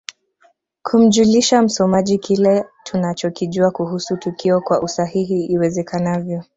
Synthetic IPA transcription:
kʰum̩ʄuliʃam̩sɔmaʄikʰilɛtʰunat͡ʃɔkiʄuakuhusutukʰiɔkwaʔusahiɦiːwɛzɛkanavjɔ

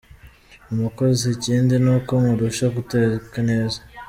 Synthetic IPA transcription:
umukoziseciːndinuːko̞ŋuɾuʃaɡutekane̞ːza

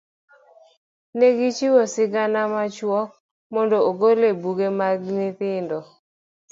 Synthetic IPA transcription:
neɡit͡ʃiwɔsɪɡanamat͡ʃwɔk̚ | mɔndooɡolebuɡemaɡnɪt̪ɪndɔ

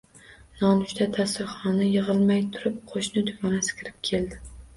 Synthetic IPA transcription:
nɒnʊʃt̪ʰat̪ʰasɪɾχɒnajɨʁɨlˠmajt̪ʰʊɾɪp̚qʰoʃnɪd̪ʊvɒnasɪ̥kʲʰɪɾɪp̚kʲʰe̞ld̪ɪ

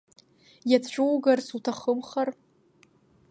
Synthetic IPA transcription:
jat͡sʰt͡ɕʷᶣuwɡarsutʰaχəmχar

